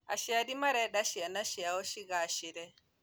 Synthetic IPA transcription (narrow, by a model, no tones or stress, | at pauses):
a̰ʃiadimaɾɛɗaʃianaʃiawɔʃiɡaʃiɾɛ